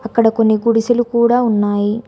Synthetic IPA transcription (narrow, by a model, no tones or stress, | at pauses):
ɐkːɐɽɐko̞nːiɡuɽisɐlukuːɽaːunːaːji